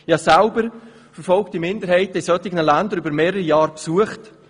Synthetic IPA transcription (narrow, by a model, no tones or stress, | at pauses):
jasalbəɾ | fəɾfɔlktimɪndəɾhɛɪtəisœtɪɡnəlandəɾybəɾmeːɾəɾijɑːɾpsuəχt